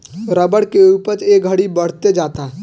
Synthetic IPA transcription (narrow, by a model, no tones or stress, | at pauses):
ɾəbəɽkeuːpəɾeːkɡʱəɽibəɽ̤t̪ed͡ʒaːt̪aɦ